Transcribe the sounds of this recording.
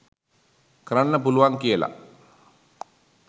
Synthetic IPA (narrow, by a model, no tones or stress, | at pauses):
krəɳnəpuluʋaŋkijəla̰